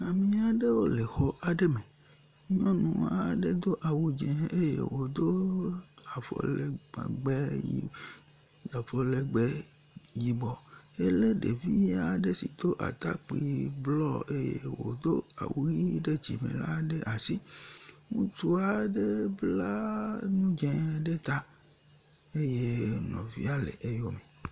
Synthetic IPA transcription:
a˨mĩ˦a˨ɖe˦wo˦le˨xɔ˦ʔa˨ɖe˦mẽ˨˦ | ɲɔ̃˦nũ˨a˨ɖe˦d̪o˦ʔa˨wu˦d͡ʒe˨e˦jḛ˨wo˨d̪o˦ | a˨fɔ̰˨lḛ˨ɡ͡bɛ˦ji˦˨ | a˨fɔ˨le˨ɡ͡bɛ˦ | ji˨bɔ˨e˦le˦ɖe˨vi˦ja˦ɖe˦si˨t̪o˦ʔa̰˨t̪a˦k͡pi˨blɔ˦e˦jḛ˦wo̰˨d̪o˦a̰˨wu˦ɣi˦ɖe˦d͡ʒḭ˨mḛ̃˨la̰˦ɖe˦ʔa˨si˦ | ŋũ˦t̪u˦a˨ɖe˦bla˦nũ˦d͡ʒɛ̃˦ɖe˦t̪a˦ | e˦je˦nɔ̃˨vi˦a˦lḛ˨ʔe˦jo˦me˨

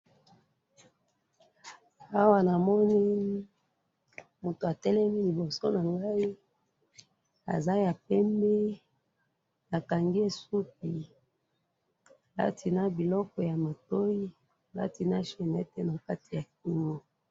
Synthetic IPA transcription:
a˦wa˦na˨mɔ˦ni˦ | mu˨to˨a˨tɛ˦lɛ˦mi˦li˨bɔ˨so˦na˨ŋɡa˦i˦ | a̰˨za˦ja˨pɛ˦mbɛ˦ | a˨ka˨ŋɡi˦e˦su˦p̚i˨ | la̰˦tʰi˨na˦bi˨lɔ˦kɔ˨ja˨ma˨to˦i˦ | la̰˦ti˨na˦ʃɛ˨nɛ˦tɛ˦na˨ka˦ti˨ja˨k̚i˦ŋo˦

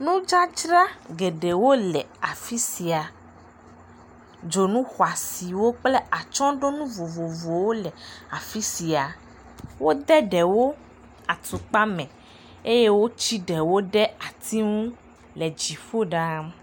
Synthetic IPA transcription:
nũ˦d͡ʒa˦d͡ʒɾa˦ɡe˨ɖe˨wo˦lɛ˨a˨fi˦si˨a˨ | d͡ʒo˨nũ˦xwa˨si˨wo˦k͡plɛ˦a˨t͡ʃɔ̃˦ɖo˦nũ˦vo˨vo˨vo˨wo˦lɛ˨a˨fi˦si˨a˨ | wo˦d̪ɛ˦ɖɛ˨wo˦ | a˨t̪u˨k͡pa˦mɛ̃˨ | e˦je˦wo˦t͡ɕi˦ɖɛ˨wo˦ɖɛ˦a˨t̪i˦ŋũ˦ | lɛ˨d͡ʒi˨fo˦ɖa˦

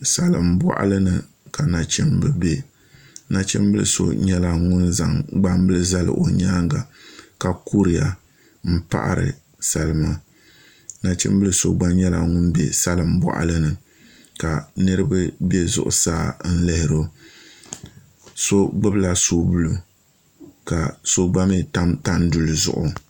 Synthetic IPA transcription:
sa˦lɨ˨mba̰˨ʔa̰˦lɨ˦nɨ˨ | ka˨na˨t͡ʃɛ˦mbɨ˨be˦ | na˨t͡ʃɛ̰˦mbɨ˦lɨ̰˨so̰˦ɲɛ˦la˨ŋʊ˦nza̰˨ŋɡ͡ba˦m˦bɨ˦lɨ˦za˦lɨ̰˨ʔo˨ɲaː˦ŋɡa˨ka˨ku˦ɾi˨ja˨ | m̩˦pa̰˦ʔa̰˦ɾɨ̰˨ | sa˨lɨ˨ma˦˨ | na˨t͡ʃɛ̰˦m˦blɨ˦˨so˦ɡ͡ba˦ɲɛ˦la˨ŋʊ˦nbɛ̰˦sa˦lɨ˨mba̰˨ʔa̰˨lɨ˦nɨ˨ | ka˨nɨ˦ɾɨ˦bɨ˦bɛ˦zʊ̰˨ʔʊ̰˨saː˦n̩˦lɛ˦hɪ˨ɾo˦ | so˦ɡ͡bɨ˦bla˦so˦bu˦lu˦ | ka˨so˦ɡ͡ba˦me˦˨ta˦ta˦ndu˨lɨ˨zʊ̰˦˨ʔʊ˨

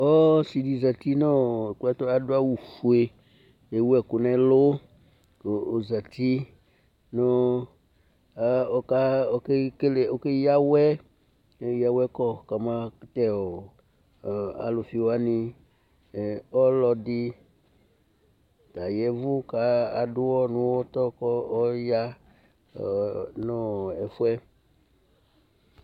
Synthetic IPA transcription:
ɔ˦si˨di˨za˨ti˦nɔ˦˨kʊ˦ɛ˦tɔ˦a˨dʊ˦a˦wu˨fu˨e˨ | e˨wu˦ɛ˨kʊ˨nɛ̃˦lʊ˦˨ | za˨ti˦ | nɔ˦ | a˦ɔ˨ka˦ɔ˨˦kɪ˦kle˨o˦kɪ˦ja˦wɛ˦˨˦ | ja˦wɛ˦kɔ˦ka˨mã˦t̪ɛ˦ɔ˨ | a̰˨lo˨fi˧wa˦ni˧˨ | ɔ˦lɔ˧di˧ | t̪a˨jɛ˨˦vu˦ka˨a˨dʊ˦wɔ˦nũ˦wɔ˦t̪ɔ˦kɔ˦ja˦˨ | nɔ˦ɛ˨fu˦ɛ˦

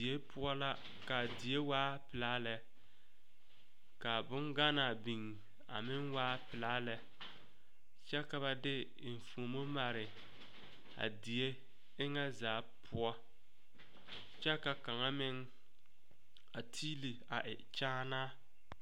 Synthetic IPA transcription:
i˨e˦pʰʊ˦ɔ˦la˦ | ka˨di˨e˦waː˦pɪ˨la˦lɛ˨ | ka˨bʊ˦ŋɡa˦na˨bi˨ŋ˨ | a̰˨mɪ˦ŋwaː˦pɪ˨la˦lɛ˦ | t͡ʃɛ˦ka˨ba˨dɪ˦˨ | fu˨o˨mo˦ma˨ɾɪ˨ | a̰˨di˨e˦ | ɪ˦ŋa˦zaː˨˦pʰʊ˦ɔ˦ | t͡ʃɛ˦ka˨ka˨ŋa˦mɪ˦ŋ | a˨tʰiː˦li˨a˨ʔɪ˨t͡ʃaː˦naː˦

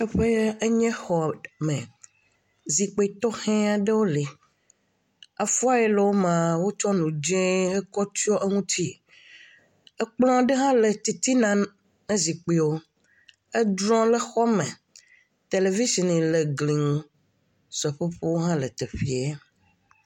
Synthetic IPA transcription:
e˦ɸe˦e˦ɲɛ̃˦xɔ˨mẽ˨ | zi˨k͡pe˨t̪ɔ˦hɛ̃˦a˨ɖe˦wo˦li˨ | a˨fu˦a˦jɛ˦le˨wo˦mã˨wo˦t͡ʃɔ˦nũ˨d͡ʒɛ̃˦e˦kɔ˦t̪u˦ɔ˦ʔe˦ŋũ˦t̪ʰi˦ | e˦k͡plɔ̃˦a˨ɖe˦ɦã˦le˨t̪i˨t̪i˦nãː˨ | ẽ˦zi˨k͡pi˨wo˦ | e˦d̪ɾɔ̃˦le˨xɔ˦mẽ˨ | t̪e˨le˨vi˦si˨nĩ˨le˨ɡli˨ŋũ˦ | sɛ˨ɸe˦ɸo˦wo˦ɦã˦le˨t̪e˨ɸi˨e˦

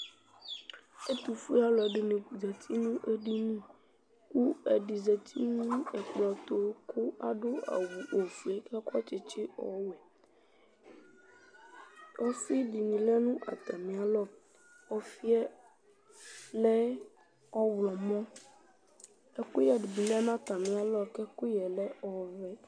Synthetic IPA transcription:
e˦t̪u˨fu˦a˦lɔ˨ɖe˨nẽ˨zɛ˨t̪ʰi˦nũ˦ʔe˦ɖi˦nũ˦ | ku˦e˨ɖi˨zɛ˨t̪ʰi˦nũ˦ɛ˨k͡pa˨t̪o˨˦kʰo˦a˨ɖo˦a̰˨wu˨ʔo˨fu˨e˦ka˦kɔ˦t͡ʃɪ˨t͡ʃɪ˦ɔ̰˨˦wɛ˨ | o˦si˦ɖi˨nĩ˨lɛ˦nũ˦ʔa̰˨t̪a˨mĩ˨a˨lɔ˦ | ɔ˦fi˦ɛ˦ | lɛ˦ | ɔ˦wlɔ˨mɔ̃˦ | ɛ˦ku˦jɛ˨ɖi˨bi˨lɛ˦nã˦t̪a˨mĩ˨a˨lɔ˦kɛ˦ku˦jɛ˨lɛ˦ɔ˨vɛ˦

